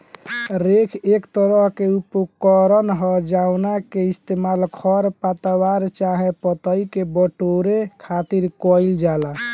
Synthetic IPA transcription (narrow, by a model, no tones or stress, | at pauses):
ɾekʰekt̪əɾəɦkeupukɔɾənɦɔd͡ʒawnakeist̪emalkʰɔɾpat̪awaɾt͡ʃaɦẽpət̪əikebəʈoɾekʰat̪iɾkɔild͡ʒala